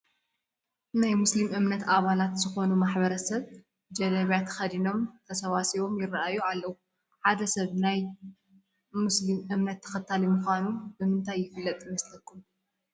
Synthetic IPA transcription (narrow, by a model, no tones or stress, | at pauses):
najmuslimɨmnɐt̪aβalat̪z̥ɨxo̞numaħbɐɾɐsɐβ | d͡ʒɐlɐβjat̪ʰxɐd̪ino̞mt̪ʰɐsɐwasiβo̞mjɪraʔajualːɐwu | ħad̪ɐsɐβnaj | muslimʔɨmnɐt̪ʰːɐ̥xɐt̪ʰːalimuxʷanubɨmɨnt̪ʰajːɪfɨlːɐt̪ʼjmɐslɐkʰːum